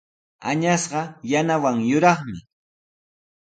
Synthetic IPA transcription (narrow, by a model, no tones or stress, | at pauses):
a̰ɲasɢɑjanawaŋjʊɾɑχmɪ